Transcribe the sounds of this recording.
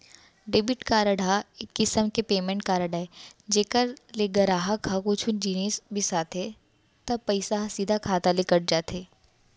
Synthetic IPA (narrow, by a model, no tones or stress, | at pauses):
ɖeːbɪʈkaːɾəɽʱakːɪsəmkepeːmẽɳʈ̚kaːɾəɽaːed͡ʒeːkəɾleɡɐɾaːɦakʰakuːt͡ʃʰʊnd͡ʒiːneːsbʱisaːt̪e | t̪ɐb̚pɐɪsaɦsiːd̪ʱakʰaːt̪alekɐɽ̚d͡ʒaːt̪eː